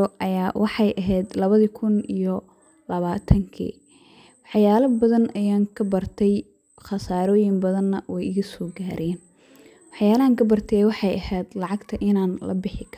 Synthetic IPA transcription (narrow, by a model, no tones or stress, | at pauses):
ɔʔɐjaːwʔɑħɑjʔɐɦɛjd̪lɐβɐðikʰʊnijɔ | lɐβaːt̪ʰɐŋkʰḭː | wɑħjaːlɐbɐðɐnɐjaːŋkʰɐbɐrt̪ʰɛj | χɑsaːɾɔːjɪmbɐðɐnːɐwɛjɪɣɐsɔːɡaːɾʔɪjɛːn | wɑħjaːlɐaːŋkʰɐbɐrt̪ʰɛɛwɑħɑjʔɐhɛːd̪lɑʕɑɡt̪ʰɐʔɪnaːnlɐ̰bɪħɪkʰɐr